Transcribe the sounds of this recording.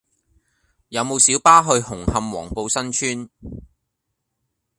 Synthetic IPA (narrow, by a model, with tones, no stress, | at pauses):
jɐ˨˧wmo˨˧wsiː˨˥wpaː˥ɦɵ˧ɥhʊ˨˩ŋhɐ˧mwɔ̰ː˨˩ŋpo˧wsɐ˥nt͡ʃʰyː˥n